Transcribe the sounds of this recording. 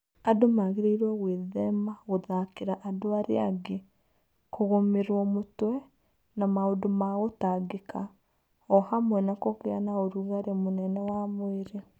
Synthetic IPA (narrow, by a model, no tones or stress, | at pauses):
adomaɣeɾeiɾwaɣweðɛmaɣoðakeɾaʔadoaɾḛaɡe | koɣomeɾwɔmotwɛ | namaodomaɣotaɡekʰa | ɔhamwɛnakokea̰naoɾuɣaɾemonɛnɛwamweɾe